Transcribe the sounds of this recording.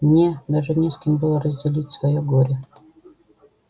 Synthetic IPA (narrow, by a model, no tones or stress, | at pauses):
mnʲed̪aʐɨnʲeskʲɪmbɨlˠəɾəzʲdʲɪlʲitʲsvɐjoɡoɾʲɪ